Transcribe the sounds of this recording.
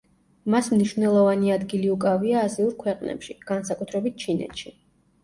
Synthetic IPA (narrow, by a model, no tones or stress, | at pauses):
masmniʃvnɛlˠɔvaniad̪ɡiliukʼaviaːziuɾkʰwɛqʼnɛ̰pʃiɡ̥ansakʼut̪ʰɾɛbit̪̚t͡ʃʰinɛ̰t̪ʃi